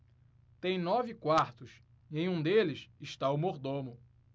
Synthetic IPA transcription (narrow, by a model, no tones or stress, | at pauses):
t̪ẽj̃nɔvɪkwaɾt̪ʊs | ẽj̃ũd̪elɪsɪʃt̪aʊmoɾd̪õmʊ